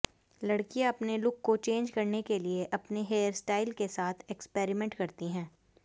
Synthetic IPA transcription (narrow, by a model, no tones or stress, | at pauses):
lɐɽkijãɐpnelʊkːot͡ʃẽːnd͡ʒkɐɾnekelieʔɐpneɦeːəɾsʈaːɪlkesaːt̪ʰɛkspeːɾimɛ̃ɳʈkɐɾt̪iɦɛ̃ː